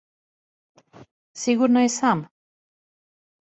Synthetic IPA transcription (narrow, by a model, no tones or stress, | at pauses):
siɣuɾnajsam